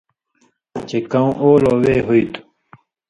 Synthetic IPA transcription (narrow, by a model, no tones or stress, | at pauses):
t͡ɕekɐũʔoːloːweːɦuit̪ʰu̥